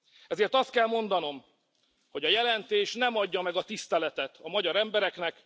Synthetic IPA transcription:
ɛzeːrt̪ɒst̪̚kɛlmo̞nd̪ɒno̞m | ho̞ɟɒjɛlɛnt̪eːʃnɛmɒɟːɒmɛɡɒt̪ist̪ɛlɛt̪ɛt̪ʰɒmɒɟɒɾɛmbɛɾɛknɛk

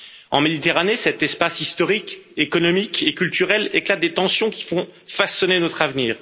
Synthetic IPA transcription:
ɑ̃med̪it̪eʁanesɛt̪ɛspasist̪ɔʁikekɔnɔmikʰekʲylt̪yʁɛleklat̪̚d̪et̪ɑ̃sjɔ̃kʲi̥fɔ̃fasɔnenɔt̪χavniːʁ

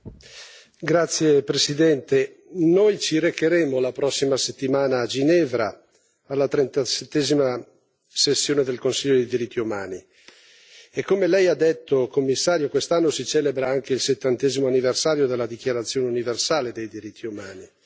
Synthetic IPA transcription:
ɡɾat̪sːjepɾesid̪ɛnt̪e | nojt͡ʃiɾekeɾeːmolapɾɔsːimaset̪ːimaːnaːd͡ʒinɛːvɾa | alːat̪ɾent̪aset̪ːɛːzima | sesːjoːned̪elkonsiʎːod̪ed̪iɾit̪ʰːiumaːni | ekːomelɛjad̪ːet̪ːokomːisːaːɾjokwest̪anːosit͡ʃɛːlebɾaaŋkeilset̪ːant̪ɛːzimoanːiversaːɾjod̪elːad̪ik̟jaɾat̪sːjoːneuniversaːled̪ejd̪iɾit̪ʰːiumaːni

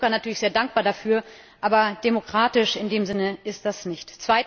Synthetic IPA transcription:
kanatʰyːɐlɪçz̥eːɐdaŋk̚b̥aːɐdafyːɐ | ʔaːbɐd̥emokʁ̥aːtɪʃɪndeːmzɪnəɪstd̥asnɪçtt͡sv̥aɪ

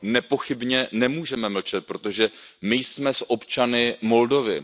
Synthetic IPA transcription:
nɛpo̞xɪbɲɛnɛmuːʒɛmɛml̩t͡ʃɛt̪̚pɾo̞t̪o̞ʒɛmɪjsmɛsʔo̞pt͡ʃanɪmo̞ldo̞vɪ

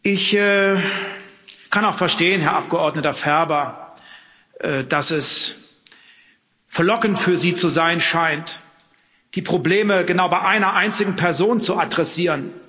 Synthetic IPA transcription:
ʔɪçɛː | kʰanaʊxfɛɐʃteːənɦɛɐʔap̚ɡ̥əʔɔɐdnətɐfɛɐbɐ | ʔɛːd̥asɛs | fɛɐlɔkn̩tfyːɐziːt͡suzaɪnʃaɪnt | d̥iːpʁ̥obleːməɡənaʊbaɪʔaɪnɐʔaɪnt͡sɪɡŋ̩pʰɛɐzoːnt͡suʔadʁɛsiːʁən

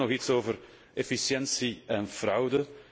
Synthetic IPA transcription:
ɔxitsoːvər | efisjɛnsiɛnv̥rʌwdə

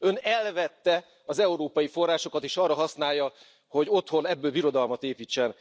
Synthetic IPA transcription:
ø̞nɛlvɛt̪ːɛ | ɒzɛuɾoːpɒjifo̞rːaːʃo̞kɒt̪eːʃɒrːɒɦɒsnaːjːɒ | ho̞ɟo̞t̪honɛbːøːlbiɾo̞d̪ɒlmɒt̪eːpiːt͡ʃːɛn

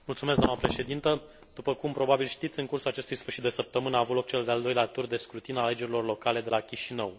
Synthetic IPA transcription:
mult̪sumes̬ɡd̪oa̰nəpɾe̞ʃe̞d̪int̪ə | d̪̥upəkumpɾo̞babilʃt̪it̪sʲɨŋkursulat͡ʃe̞st̪ujsfɨrʃit̪d̪esəp̚t̪əmɨnəaːvut̪lo̞k̚t͡ʃe̞ld̪eald̪o̞jleat̪urd̪e̞skɾut̪inale̞d͡ʒe̞ɾilo̞rlo̞kale̞d̪e̞lakʲiʃinəw

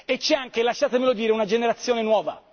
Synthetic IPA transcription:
et͡ʃːɛaŋkelaʃːaːt̪emelod̪iːɾeunad͡ʒeneɾat̪sːjoːnenwɔːva̰

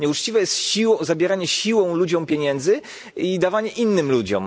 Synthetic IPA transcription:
ɲɛut͡ʂt͡ɕivɛjɛst̪ɕiwɔ̃zabʲjɛɾaɲɛɕiwɔ̃w̃lud͡ʑɔ̃wpʲjeɲɛnd̪zɘ | id̪avaɲɛʔinːɘmlud͡ʑɔ̰m

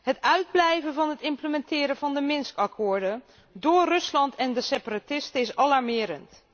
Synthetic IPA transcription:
ɦətœɥd̚blɛjvənvɑnɦətɪmpləmɛntɪːɾəvɑndəmɪnskɑkʰʊːɹdə | dʊːɹrɵslɑntʰɛndəseparatɪstəɪsɑlɑɹmɪːɾənt

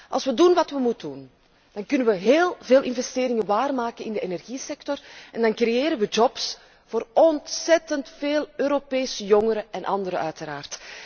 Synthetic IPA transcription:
ʔɑ̰lˠsʋədunʋɑtʋəmutdun | d̥ɑnkʏnənʋəɦeːlˠveːlˠʔɪnvɛsteːɾɪŋəʋaːrmaːkənɪndəenɛrɣisɛk̚tɔrɛndɑnkrejeːɾənʋəd͡ʒɔps | v̥oːrɔntsɛtəntfeːlˠøːɾopeːsəjɔŋəɾəɛnʔɑndəɾəœɥtəɾa̰ːrt

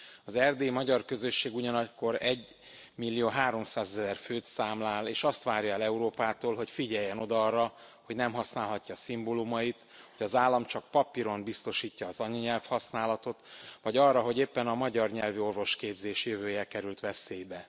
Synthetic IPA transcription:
ɒzɛrd̪eːmɒɟɒrkø̞zø̞ʃːeːɡuɟɒnɒko̞ɾɛɟ | milːijoːɦaːɾo̞msaːzɛzɛrføːt̪saːmlaːleːʃɒst̪ʋaːrjɒɛlɛuɾoːpaːt̪oːlɦo̞cfiɟɛjːɛno̞d̪ɒɒrːɒ | ho̞ɟnɛmɦɒsnaːlɦɒcːɒsimbolumɒjit̪ | ho̞ɟɒzaːlːɒmt͡ʃɒk̚pɒpiɾo̞mbist̪o̞ʃiːcːɒːzɒɲɒɲɛlfhɒsnaːlɒt̪o̞t̪ʋɒɟɒrːɒɦo̞ɟeːpːɛnɒmɒɟɒrɲɛlvio̞rvo̞ʃkeːbzeːʃjøvøːjɛkɛɾylt̪ʋɛseːjbɛ

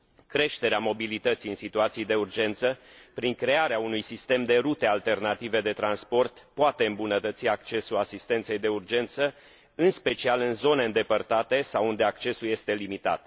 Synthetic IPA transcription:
kɾe̞ʃt̪e̞ɾeamo̞bilit̪ət̪siɨnsit̪uat̪siejd̪e̞urd͡ʒe̞nt̪səpɾiŋkɾe̞aɾeaunujsist̪e̞md̪e̞ɾut̪e̞alt̪e̞rnat̪ive̞d̪e̞t̪ɾanspo̞rt̪poat̪e̞ɨmbunət̪ət̪siak̚t͡ʃe̞sulasist̪e̞nt̪se̞jd̪e̞urd͡ʒe̞nt̪sə | ɨnspe̞t͡ʃialɨnzo̞ne̞ɨnd̪e̞pərt̪at̪e̞sawund̪e̞akt͡ʃe̞sulje̞st̪e̞limit̪a̰t̪̚

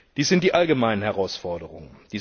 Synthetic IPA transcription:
d̥iːsz̥ɪnt̚d̥iːʔalɡəmaɪnənhɛʁaʊsfɔɐdəʁʊ̰ŋənd̥iː

